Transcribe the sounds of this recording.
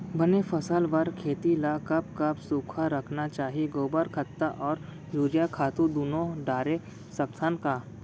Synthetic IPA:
bɐnefɐsəlʋəɾkʰeːt̪ilakɐb̚kɐbsuːkʰaɾɐkʰnat͡ʃaːɦieɡoːbəɾkʰɐt̪ːaʔɔːɾ | juːɾjakʰaːt̪ũd̪uːnõɖaːɾe | sɐk̚t̪ʰankaː

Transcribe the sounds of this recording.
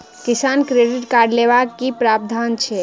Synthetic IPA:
kisankɾeɖiʈkaɾɖleβakːipɾab̚d̪ʱant͡ʃʰɛ

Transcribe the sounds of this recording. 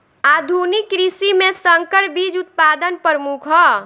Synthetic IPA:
ad̪ʱunikːɾisimesəŋkəɽbid͡ʒut̪̚pad̪ənpəɾmukʰɦɔ

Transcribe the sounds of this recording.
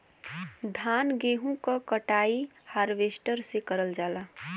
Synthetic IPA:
d̪ʱaːnɡeːɦũkakəʈaːihaːɾʋesʈəɾsekəɾəld͡ʒaːlaː

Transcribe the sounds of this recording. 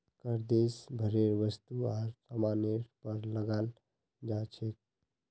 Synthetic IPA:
kəɾd̪esbʱəɾeɾʋəst̪uaɾsəmaneɾpəɾləɡal | d͡ʒat͡ʃʰek̚

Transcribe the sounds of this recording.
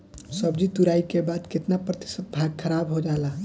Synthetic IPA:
səbd͡ʒit̪uɾaikebad̪kɪt̪napɾət̪ɪ̥sət̪̚bʱaɡ̚kʰəɾabɦod͡ʒala

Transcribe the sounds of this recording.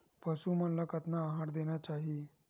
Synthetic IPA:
pəsumənlakat̪naːɦaɽd̪eɳjat͡ɕaɦi

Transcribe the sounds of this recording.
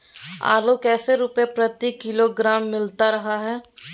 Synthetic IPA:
a̰ːlokɛːseɾuːpjepɾɐt̪ikːɪloɡɾaːmːɪlt̪aɾɐɦaɦɛː

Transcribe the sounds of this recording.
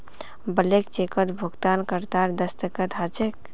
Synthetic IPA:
bəlekt͡ʃekət̪bʱuɡt̪ankəɾt̪aɾd̪əst̪əkət̪ɦat͡ʃek

